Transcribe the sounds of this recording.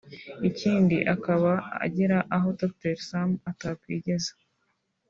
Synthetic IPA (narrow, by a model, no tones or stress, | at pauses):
iciːndiʔakaβaa̰ɟiɾaʔaɦo̞tok̚teɾsamatapkiːɟe̞zḁ